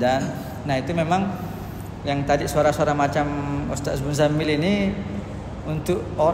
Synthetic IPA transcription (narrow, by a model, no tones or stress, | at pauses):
danː | aɦit̪umemaŋ | jaŋt̪adisuaɾasoaɾamat͡ʃamṵst̪aʔsbunzamilini | unt̪ʊʔo